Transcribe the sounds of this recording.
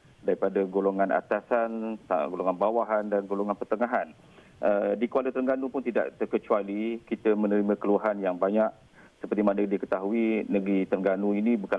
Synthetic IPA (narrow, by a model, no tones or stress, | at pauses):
daɾipadaɡoloŋanʔa̰t̪asanɡoloŋanbawaɦandanɡoloŋanpərt̪əŋaɦan | ədikəalət̪ɾəŋɡanupʊnt̪ida̰ʔt̪ərkət͡ʃualikit̪əmənəɾimãkəluaɦanjaŋbaɲaʔ | səpərt̪imanədikət̪aɦuinəɡɾit̪ərŋɡanuinĩbuka